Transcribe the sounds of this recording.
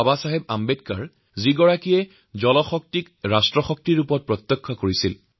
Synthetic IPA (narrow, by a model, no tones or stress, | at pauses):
abasaɦebambedkaɹ | ziɡɔɹakijɛ | zɔlɔxɔk̚tik | ɹastɹɔxɔk̚tiɹupɔt̚pɹɔt̪ːɔkʰːɔkoɹisil